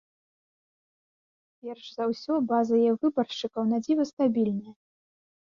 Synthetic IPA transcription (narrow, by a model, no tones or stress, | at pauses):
pʲɛrʂzawsʲɔbazɐjavɨbɐrʂt͡ʂɨkɐwnad͡zʲivɐst̪abʲilʲnɐjɐ